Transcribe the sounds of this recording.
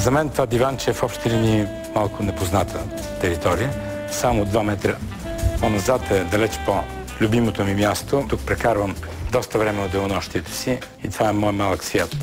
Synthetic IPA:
zɐmɛnt̪ovad̪ivant͡ʃɛɛfɔpʃt̪ɛlini | malˠkʊnɛpoznat̪ʰə | t̪ɛɾit̪ɔɾijə | samod̪vamɛt̪ɾə | ponɐzat̪ɛd̪ɐlɛt͡ʃpo | lʲʊbimot̪omimjast̪ot̪ukpɾɛkaɾvəm | d̪ɔst̪əvɾɛmɛod̪ɛonɔʃt̪iɛt̪ɛ̥siː | t̪ovaɛmɔjmalˠɐksvʲjat̪

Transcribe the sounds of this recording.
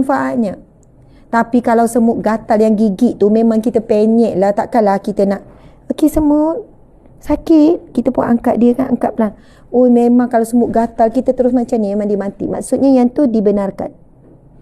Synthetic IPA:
nfaʔat̪̚ɲa | t̪apikalawsəmʊʔ̚ɡat̪aljaŋɡiɡɪʔt̪umemãŋkit̪əpeɲɛ̃ʔlaht̪aʔkanlahkit̪ənaʔ | okesəmut̪ | sakɪt̪̚kit̪əpua̰ʔaŋkaʔ̚diəkanaŋkap̚lah | ojmemãŋkalawsəmʊʔ̚ɡat̪alkit̪ət̪əɾʊsmat͡ʃamɲamemaŋdimat̪ḭma̰ksʊt̪̚ɲajaŋt̪uhdibənarka̰n

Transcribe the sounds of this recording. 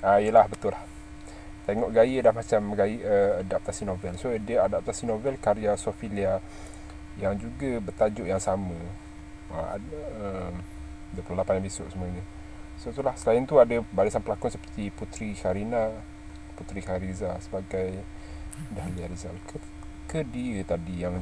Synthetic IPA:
aijəlahbət̪ʊlah | t̪eŋɔʔɡajədahmat͡ʃamɡajiʔəadap̚t̪asinovɛlsodəadap̚t̪asinovɛlkaɾiasofilia | jaŋd͡ʒuɡabərt̪ad͡ʒʊʔjaŋsamə̃ | əa̰əm | dəpəlalapanjaŋbisʊʔsəmuəɲə | sot̪ulahsəlaɪnt̪uadəbaɾisanpəlakʊnsəpə̥rt̪iput̪ɾikaɾina | put̪ɾikaɾizasəbaɡaj | dahliaɾizalkə | kədiət̪adijaŋ

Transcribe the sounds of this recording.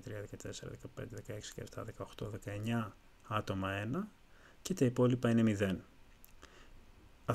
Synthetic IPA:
t̪ɾiɐðe̞kɐt̪e̞seɾɐ̰ðekɐpend̪e̞ðe̞kɐe̞ksi̥cɐ̰eft̪ɐ̰ðe̞kɐo̞xt̪o̞ðe̞kɐe̞ɲɐ | ɐt̪o̞mɐe̞nɐ | cet̪ɐipo̞lipɐine̞miðe̞n | ɐ

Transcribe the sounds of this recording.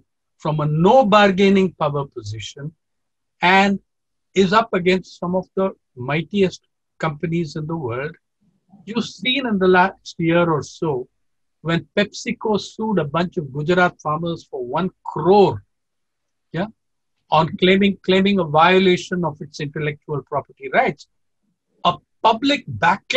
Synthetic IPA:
fɾɔ̃mənoːbaɾɡẽɪnɪ̃ŋpaəɾpəzɪʃə̃n | æ̃ɳɖ | ɪzʌpəɡɛ̃nsʈsʌ̃mɔvd̪ə | maɪʈiəsʈ | kʌ̃mpənizɪ̃nd̪əwəːlɖ | jusĩːnɪ̃nd̪əlaːsʈjiəɾɔːɾsoː | ʋɛ̃npɛpsɪkosuːɖəbʌ̃nt͡ʃɔʋɡʊd͡ʒɾaːt̪faːɾməz̥fɔɾʋʌ̃nkʰɾoːɾ | ja | ɔ̃nklẽːmɪ̃ŋklẽːmɪ̃ŋəʋaɪəleːʃə̃nɔfɪʈsɪ̃ɳʈəlɛk̚t͡ʃuəlpɾɔpəɾʈiɾaɪʈs | əpʌblɪk̚bæk

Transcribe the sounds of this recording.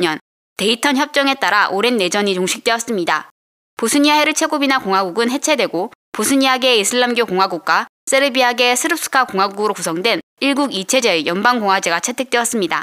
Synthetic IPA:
jʌn | te̞itʰʌnçjʌp̚t͡ɕ͈ʌŋe̞t͈aɾaʔoɾe̞nːe̞d͡ʑʌɲit͡ɕoŋɕʰi̥k̚t͈we̞ʌs͈ɯmɲida̰ | posʰuɲiaeɾɯɭt͡ɕʰe̞ɡobinakoŋwaɡuɡɯnɦe̞t͡ɕʰe̞dwe̞ɡo | posʰɯɲiaɡe̞isʰɯɭːamɡjokoŋwaɡuk̚k͈wa | s͈eɾɯbiaɡe̞sʰɯɾɯp̚s͈ʰɯ̥kʰakoŋwaɡuɡɯɾokusʰʌŋdwe̞n | iɭɡuɡit͡ɕʰe̞d͡ʑe̞jʌnbaŋɡoŋɦwad͡ʑeɡat͡ɕʰe̞tʰe̞k̚t͈we̞ʌs͈ɯmɲida̰

